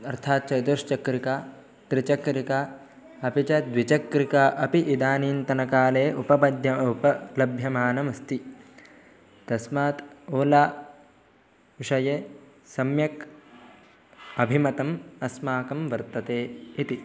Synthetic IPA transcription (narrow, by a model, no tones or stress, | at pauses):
ɐɾt̪ʰaːt̪̚t͡ʃɐd̪uɾʃt͡ʃɐkɾika | t̪ɾit͡ʃɐkɾika | ɐpit͡ʃɐd̪ʋit͡ʃɐkɾikaʔɐpiʔid̪aːniːnt̪ɐnɐkaːleːʔupɐbɐd̪jɐupɐlɐbʱjɐmaːnɐmɐst̪i | t̪ɐsmaːt̪oːlaː | ʋiʃɐjeː | sɐmjɐk | ɐbʱimɐt̪ɐmɐsmaːkɐmʋɐɾt̪ɐt̪eːit̪i